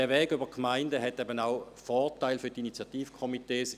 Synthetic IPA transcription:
ɛɐʋɛːɡybəkʰmaɪndəɦɛtɛbənaʊ | fɔːʁtaɪlfyːɐtinit͡sjatiːfkʰɔmiteːs

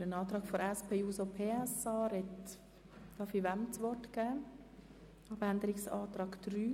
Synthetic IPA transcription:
ɾənɑːt̪ɾɑːɡ̥fɔɾɛspʰeːuːsopʰeːɛsɑːɾɛt | d̥ɑːfiʋæmt͡sʋɔɾtɡ̥ɛː | ɑbænd̪əɾɪksɑːt̪ɾɑːɡ̥d̪̥ɾyː

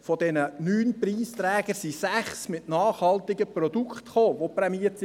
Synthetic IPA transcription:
fɔdɛnənyːnpɾiːst̪ɾɛːɡ̥əsisæχsmɪtnɑːχhɑlt̪ɪɡəprɔd̥ukχt̪χoːʋopɾɛmiətsi

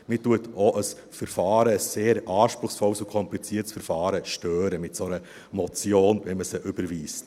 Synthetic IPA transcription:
mɪtuətoʔəs | fɛɾfɑːɾəːsːeːɾɑːʃpɾʊχsfɔlsukʰɔmplit͡siətsfɛɾfɑːɾəʃtøːɾəmɪtsonə | mɔt͡sjoːnʋɛnməsəʔʏbəɾviːst

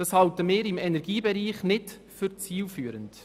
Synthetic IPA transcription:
d̥ɑshɑltəmɪːɾɪmɛnɛɾɡiːbɛɾiːχnɪd | fʏɾt͡siːlfyːəɾənt

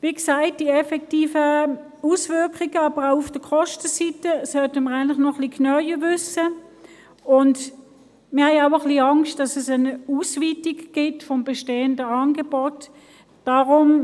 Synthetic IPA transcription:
viːksaɪt̚d̥iɛfɛktiːfə | usvʏɐkχiɡəɑːb̥əʁaʊʊfd̥əkʰɔʃtəsitəsœltəməʁaɪntlɪχnɔχliːknœʏjəvʏsə | ʊnd | mɪɐhaɪaʊəχliɑŋst̚d̥ɑsɛsɛnusviːtiɡɡ̥ɪtfɔmbɛʃteːəndəɑːnɡebɔt | d̥aʁʊm

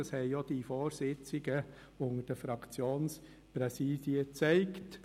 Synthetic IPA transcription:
əshɛɪjod̥ifɔːɾsɪt͡sɪɡə | ʊŋəd̥əfɾɑkt͡sjoːns | pɾɛsiːd̥iət͡sæɪkt

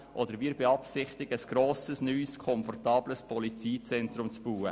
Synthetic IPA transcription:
ʔɔd̥əɾʋiːɾbeɑpsɪχtɪɡəəsɡ̥ɾoːsəsnyːskʰɔmfɔrtɑːbləspʰɔlit͡siːt͡sɛnt̪ɾʊmt͡sb̥uːə

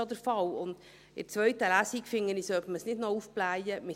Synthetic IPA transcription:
od̪əɾfɑlʊnd̪̥ | ɪɾt͡sʋœɥt̪əlæsikfɪŋːənisœpməsnɪdnɔufb̥læjəmɪ

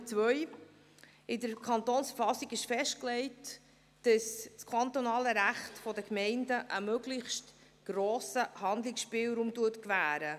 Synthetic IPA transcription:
t͡sʋœʏ | ɪdəɾkʰɑnt̪oːnsfəɾfɑsiɡɪʃfɛʃtklɛɪt | d̥əsskʰɑnt̪onɑːləɾæχtfɔdəkmɛɪndəʔəmøɡlɪçst | ɡ̥ɾoːsəhɑnd̪lɪksʃpɪːlɾuːmtuətkvæːɾə

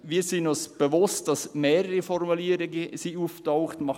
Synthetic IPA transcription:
ʋiːɾsɪnɔsb̥əvʊst̚d̥ɑsmeːɾəɾifɔrmuliəɾɪɡəsiːuftɔʊχtmɑ

